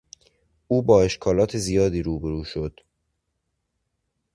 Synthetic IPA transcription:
ʔuːbɒːe̞ʃkʰɒːlɒːt̪ʰe̞zijɒːd̪iːɾuːbeɾuːʃod̪̥

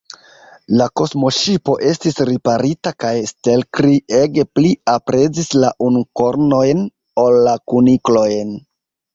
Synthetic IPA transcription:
lako̞smo̞ʃipo̞ʔe̞stisɾipaɾitakajste̞lkɾie̞ɡe̞pliapɾe̞zislaʔunko̞ɾno̞jn | o̞lːakuniklo̞jn

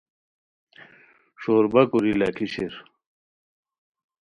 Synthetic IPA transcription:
ʂoːɾbɐkuɾilɐkʰiɕeɾ

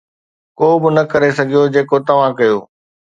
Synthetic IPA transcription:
koːbɪnɐkɐɾesɐɡʱijod͡ʑeːkot̪ɐʋ̤ãkɐjoː

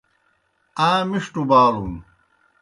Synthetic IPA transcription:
aːmiʂʈubaːlṵn

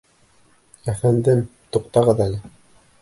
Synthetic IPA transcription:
æfænd̪ɘmt̪uqt̪ɑʁɤðælɘ

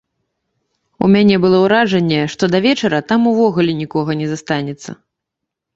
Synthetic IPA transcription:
ṵmʲanʲɛbɨlˠɔwɾaʐɐnʲːɛʂt̪ɔd̪ɐvʲɛt͡ʂɐɾɐt̪amuvɔɣulʲinʲikɔɣɐnʲɛzast̪anʲɛt̪sːɐ̰

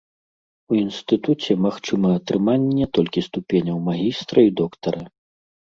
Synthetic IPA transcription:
uinst̪ɨt̪ut͡sʲɛmaxt͡ʂɨmɐɐt̪ɾɨmanʲːɛt̪ɔlʲkʲist̪upʲenʲɐwmaɣʲist̪ɾɐid̪ɔkt̪ɐɾɐ

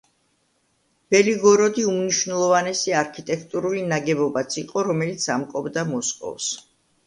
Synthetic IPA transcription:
b̥ɛliɡɔɾɔd̪iumniʃvnɛlˠɔvanɛsiaɾkʰit̪ʼɛkʰt̪ʼuɾulinaɡɛbɔbat̪sʰiqʼɔɾɔmɛlit̪sʰamkʼɔbd̪amɔskʼɔ̰fs

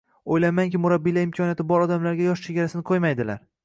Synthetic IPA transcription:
ojlamaŋkʲɪmʊɾabːijlaɾɪmkʲʰɒnijat̪ɪbɒɾɒd̪amlaɾɡʲajɒʃt͡ʃʰe̞ɡʲaɾasɪnɪqʰojmajd̪ɪla̰ɾ

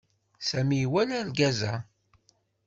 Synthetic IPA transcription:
sæmijwælælɡæzæ̰

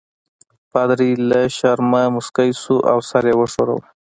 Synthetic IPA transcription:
pad̪ɾiləʃaɾmamʊskajsuʔawsaɾjewəʂoɾa̰w

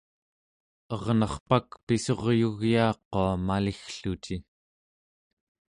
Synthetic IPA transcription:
ʌʁnɑχpakpiso̞ʁjuɣjɑːqoamalixɬut͡ʃi

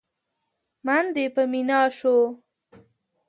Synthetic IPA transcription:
mand̪epəminɑʃo

